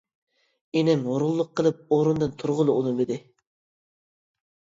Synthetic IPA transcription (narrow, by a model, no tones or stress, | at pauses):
enɪmɦoɾʊlˠːʊqʰːəlˠɨp̚oɾund̪ɨnt̪ʰʊɾʁʊlˠɨolˠɨmɪd̪ɪ